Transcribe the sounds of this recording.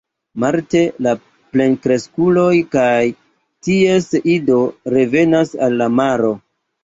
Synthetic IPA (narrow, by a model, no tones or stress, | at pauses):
maɾte̞la | ple̞nkɾe̞skulo̞jkaj | tie̞sido̞ɾe̞ve̞nasa̰lːamaɾo̞